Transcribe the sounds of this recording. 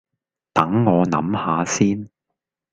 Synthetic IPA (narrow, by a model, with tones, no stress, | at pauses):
t̪ɐ˨˥ŋːɔː˨˧nɐ̰˨˥mhaː˨˧siː˥n